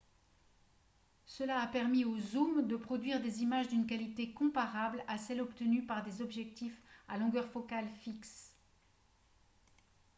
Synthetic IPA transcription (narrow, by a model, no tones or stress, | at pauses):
səlaːpɛʁmiozumd̪əpχɔd̪ɥiʁd̪ezimaʒd̪ynkalit̪ekɔ̃paʁablasɛlɔpt̪ənypaʁd̪ezɔbʒɛk̚t̪ifalɔ̃ɡœʁfɔkalfiks